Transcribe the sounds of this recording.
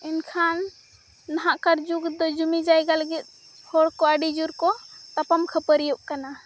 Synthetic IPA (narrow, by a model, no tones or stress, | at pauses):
inkʰanː | aɦaʔkaɾd͡ʒuɡd̪ɔd͡ʒumid͡ʒajɡalɡit̪̚ˀ | hɔɽkɔəɖid͡ʒuɾkɔt̪apəmkʰəpəɾijuʔkana